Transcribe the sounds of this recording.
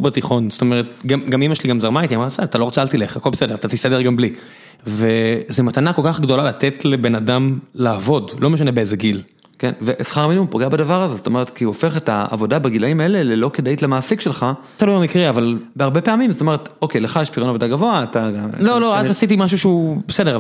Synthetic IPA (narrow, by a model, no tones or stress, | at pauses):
bet̪iχo̞nzot̪ome̞ʁet̪̚ɡamɡamimaʃeliɡamzaʁmaitiamatsaat̪alo̞ʁat͡salt̪ileχakolbesede̞ʁat̪at̪isade̞ʁɡambli | ve̞zemat̪anako̞lkaχɡdo̞lalatetle̞be̞nadamlaːvo̞dlo̞meʃ̬anebeezeɡil | kenveʔesχaʁminupoɡeabadavaʁazezot̪o̞me̞ʁet̪kiofe̞χetaa̰vo̞dabeɡilaimaele̞lelo̞ked̪aitlemaːsikʃe̞lχa | t̪aloamikʁiavalbeaʁbe̞pe̞amimzot̪o̞me̞et̪okejleχajeʃpiʁonavo̞daɡavo̞aːtaɡaloloazasit̬imaʃ̬uʃeubesede̞a